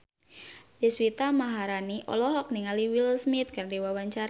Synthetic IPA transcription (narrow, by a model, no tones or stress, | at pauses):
diswit̪amaɦaɾaniʔɔ̰lɔɦɔk̚niŋaliwilsmit̪̚kərdiwawaɲt͡ʃaɾa